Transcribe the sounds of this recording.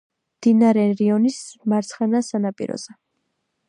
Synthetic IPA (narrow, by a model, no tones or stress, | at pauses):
md̪̥inaɾɛɾiɔnismaɾt̪sʰχanasanapʼḭɾɔ̰z̥ɛ